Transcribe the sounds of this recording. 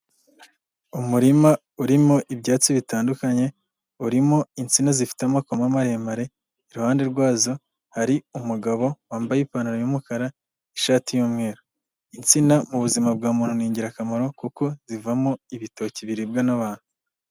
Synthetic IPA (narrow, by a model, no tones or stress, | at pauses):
umuɾima | uɾimo̞ʔibɟaːt͡siβitaːndukaɲe̞ | uɾimo̞int͡sinazifi̥tamakomamaɾeːmaɾe̞ | iɾuhaːnde̞ɾɡwaːzo̞ | haɾiumuɡaβo̞waːmbajipaːnuɾaɲomukaɾa | iʃaːtijuːmŋe̞ːɾo | int͡sinamuβuzimabɡaːmuːn̥huniːɲɟiɾakamaɾo̞kuko̞z̥ivamo̞iβito̞ːciβiɾib̚ɡanaβaːn̥hu